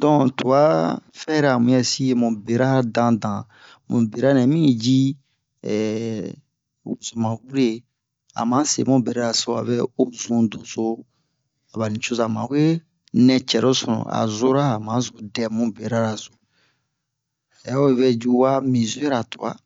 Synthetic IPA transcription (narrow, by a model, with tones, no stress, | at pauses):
dɔ̃˨tu˨a˦fɛ˦ɾa˨mũ˨jɛ˦si˦je˦mũ˨be˨ɾa˦dã˦dã˨ | mṵ̃˨be˨ɾa˦nɛ̃˨mĩ˦˨d͡ʒi˦˨ | wu˨zo˨mã˨wu˦ɾe˦˨ | a̰˨mã˦sḛ˨mõ˦be˨ɾa˦ɾa˨so˨˦a̰˨βɛ˦o˦zũ˦do˨zo˦ | a˨βa˨nĩ˨t͡ʃo˦za˨mã̰˨we˦ | nɛ̃˨t͡ʃɛ˨ɾo˦sɔ˨ɔ̰̃˨a̰˨zo˦ɾa˦a˨mã˨˦zo˨dɛ˨mũ˦be˨ɾa˦ɾa˨zo˨ | ja˦o˦e˦βɛ˦d͡ʒu˦wa˦mĩ˨zu˦ɛ˦ɾa˨tu˨a̰˦